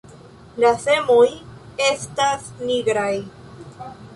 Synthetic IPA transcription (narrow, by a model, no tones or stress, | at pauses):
lase̞mo̞je̞stasniɡɾaj